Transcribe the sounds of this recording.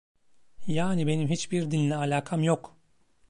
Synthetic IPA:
jaːnibe̞nimɦit͡ʃbiɾd̪ilʲnʲɛalʲaːkʰamjok

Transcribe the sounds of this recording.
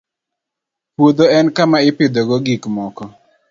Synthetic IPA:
pwod̪oɛnkamaɪpɪd̪oɡoɡikmɔkɔ

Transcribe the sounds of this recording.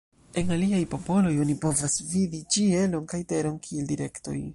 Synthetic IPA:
e̞naliajpo̞po̞lo̞jo̞nipo̞vasvidit͡ʃie̞lo̞nkajte̞ɾo̞nkʰie̞ldiɾe̞kto̞̰j

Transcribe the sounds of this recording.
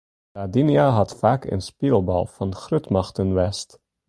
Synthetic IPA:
dadinjaɦɑtfaːkə̰nspilˠbɑ̰lˠv̥ɑnxrøtmɑxtənʋɛst

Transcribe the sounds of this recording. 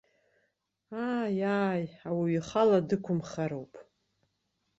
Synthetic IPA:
aːjaːjawiɥiχaladɨkʷʰʊmχaɾowpʼ

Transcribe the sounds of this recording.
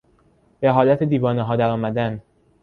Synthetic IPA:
beɦɒːlæt̪ʰed̪iːvɒːneɦɒːd̪æɾɒːmæd̪æn

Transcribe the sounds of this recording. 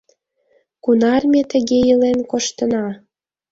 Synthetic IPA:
kunɑrmʲet̪ə̆ɣejəlenkoʃt̪ə̆nɑ

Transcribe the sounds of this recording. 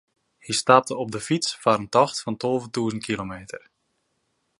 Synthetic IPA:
histap̚təɔp̚dəfisfaɾəntɔxtfɑntolˠvəntuəzənt̚kʰilomeːtər

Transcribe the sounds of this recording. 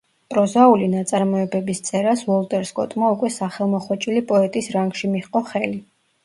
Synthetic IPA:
pʼɾɔzaulinat̪sʼaɾmɔɛbɛbist̪sʼɛɾasvɔlˠt̪ʼɛɾskʼɔ̰t̪ʼmaukʼwɛsaχɛlˠmɔχwɔt͡ʃʼilipʼɔɛt̪ʼisɾaŋɡʃimiχqʼɔχɛli

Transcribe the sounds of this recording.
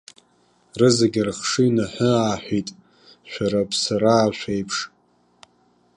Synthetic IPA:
rɨzaɡʲɪrχʂɨnaħʊaːħʷitʼ | ʃʷᶣaɾapʰsaɾaːʃᶣʷejpʰʂ

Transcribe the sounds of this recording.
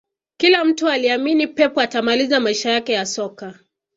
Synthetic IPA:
kilam̩tualiaminipɛpɔatamalizamaiʃajakɛjasɔka

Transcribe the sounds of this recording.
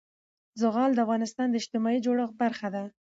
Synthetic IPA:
zʊɣɑld̪əafɣɑnɪst̪ɑnd̪əɪʃt̪ɪmɑid͡ʒoɽəxbaɾxad̪a

